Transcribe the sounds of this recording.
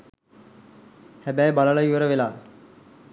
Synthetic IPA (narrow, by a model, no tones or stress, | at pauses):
hæbæjbaləlaiʋəɾəʋelaː